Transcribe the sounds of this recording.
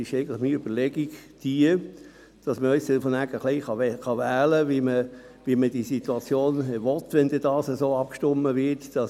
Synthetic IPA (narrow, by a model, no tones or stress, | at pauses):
ɪʃɛɪɡəntləχmiøb̥əlɛɡiɡd̥iə | d̥ɑsməœʏstɛlfɔnæɡəχlɛɪχɑχɑʋæːləʋimə | ʋiməd̥isit̪uɑt͡sjoːnʋɔt̪ʋɛnd̥̪ɛd̥ɑːsəsoːɑp̚kʃtʊmːəvɪtd̥ɑs